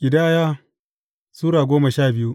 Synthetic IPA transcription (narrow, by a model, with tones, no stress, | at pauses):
ʔʲɪ˨daː˦jaː˦ | suː˦ɽaː˨ɡʷoː˦mɐ˨ʃaː˦˨bɪ˦ju˦ʔ